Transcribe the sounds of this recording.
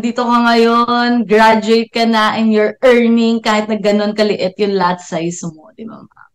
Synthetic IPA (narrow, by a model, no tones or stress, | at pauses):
d̪iːt̪okɐŋɐjonɡɹad͡ʒʊejt̪̚kɐnɐʔɛnjoɹɛɹnɪŋkaːhɪt̪̚nɐɡɐno̞nkɐlɪʔɪt̪jʊŋlad̪̚sajsmod̪ɪbɐ̰ma̰